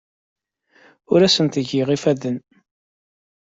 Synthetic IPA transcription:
ʊɾæsənt̪əʝiʁifæðən

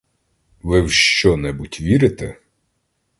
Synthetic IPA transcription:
ʋɪwʃt͡ʃɔnɛbutʲʋʲiɾɪt̪ɛ

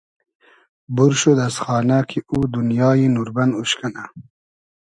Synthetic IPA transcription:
buɾʃud̪asxɑːnakʰiʔud̪unjɑːjinuɾbanuɕkana

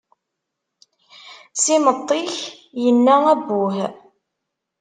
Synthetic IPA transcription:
sɪmət̪ˤːiç | jənːææbːʊh

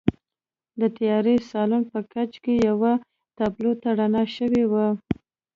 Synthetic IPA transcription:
d̪ət̪ajɑɾesɑlunpəkat͡ʃkejawa | t̪ablot̪aɽanaʃəwewa

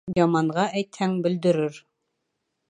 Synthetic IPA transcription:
jɑmɑɴʁɑʔæjt̪hæŋbɘ̆ld̪ɘ̆ɾɘɾ

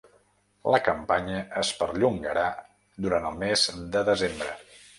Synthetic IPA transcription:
ləkəmpaɲəəspəɾʎuŋɡəɾa | d̪uɾant̪əlˠmezd̪əðəzembɾə

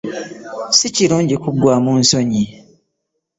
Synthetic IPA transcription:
siciluːɲɟikuɡːwaːmunso̞ɲi

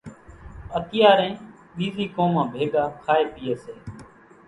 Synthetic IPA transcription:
ət̪ɪjaːɾẽː | ɓiːziːkoːmãːbʱeːɠaːkʰaːeːpɪjeːseː

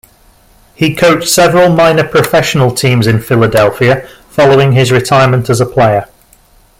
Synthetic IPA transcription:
hikʰoʊtsɛvəɹəlˠmãɪ̃nəpʰɹ̥əfɛʃənəlˠtʰĩːmzɪ̃nfɪlədɛlˠfiə | fɒloʊɪ̃ŋɪzɹɪtʰaɪəmə̃ntʰəzəpʰl̥eɪə

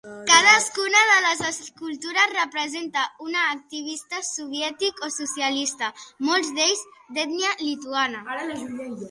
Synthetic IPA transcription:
kað̞əskunaðələzəskult̪uɾasrəpɾəzent̪aunaːk̚t̪iβ̞ist̪asuβ̞jɛt̪ikosusjalist̪amolˠzd̪eʎzd̪ɛt̪nialit̪uanaaaʒuɛ

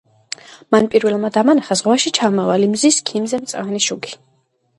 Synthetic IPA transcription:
manpʼiɾvɛlˠmad̪amanaχazʁwaʃit͡ʃʰamɔvalimziskʰimzɛmt̪sʼavɛniʃuɡi̥

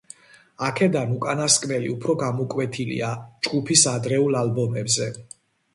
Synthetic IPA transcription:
akʰɛd̪anukʼanaskʼmɛlḭupʰɾɔɡamɔkʼwɛt̪ʰilḭad͡ʒɡupʰisad̪ɾɛulalbɔmɛbzɛ

